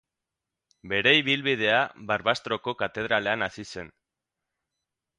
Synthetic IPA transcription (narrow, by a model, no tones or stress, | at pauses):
be̞ɾe̞iβilβið̞e̞aβaɾβast̪ɾo̞ko̞kat̪e̞ð̞ɾale̞anasise̞n